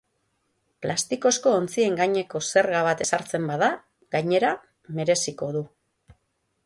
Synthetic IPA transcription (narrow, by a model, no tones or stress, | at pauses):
plast̪iko̞sko̞ːnt͡sie̞ŋɡaɲe̞ko̞se̞ɾɣaβat̪e̞saɾt͡se̞mbaða | ɣaɲe̞ɾa | me̞ɾe̞siko̞ð̞u